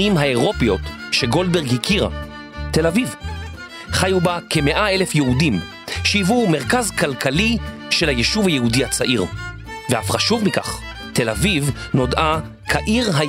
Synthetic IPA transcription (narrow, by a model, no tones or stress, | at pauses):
imɦaeʁo̞pjo̞t̪ʃeɡo̞lbeʁɡhikʰiʁa̰ | te̞laviv | χajubake̞me̞ʔae̞lefjeudim | ʃiivume̞ʁkazkalkʰali | ʃelhajeʃuvhajehudihat͡saʔiʁ | veafχaʃuvmika̰χ | te̞lavivno̞dʔa | kʰaʔiʁɦa